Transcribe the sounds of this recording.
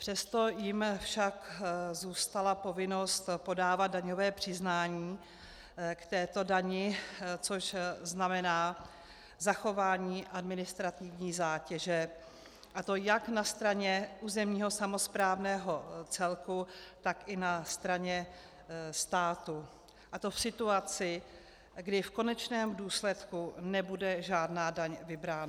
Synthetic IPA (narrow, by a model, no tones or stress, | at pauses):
pr̥ɛst̪o̞jɪmfʃakzuːst̪alapo̞vɪno̞st̪po̞daːvat̪̚daɲovɛːpr̥ɪznaːɲiː | kt̪ɛːt̪o̞daɲɪt͡so̞ʃznamɛnaː | zaxo̞vaːɲiːʔadmɪnɪst̪ɾat̪ɪvɲiːzaːcɛʒɛ | ʔat̪o̞jaknast̪ɾaɲɛʔuːzɛmɲiːɦo̞samo̞spɾaːvnɛːɦo̞t͡sɛlkut̪akʔɪnast̪ɾaɲɛ | st̪aːt̪u | ʔat̪o̞fsɪt̪uat͡sɪ | ɡdɪfko̞nɛt͡ʃnɛːmduːslɛt̪kunɛbudɛʒaːdnaːdaɲvɪbɾaːna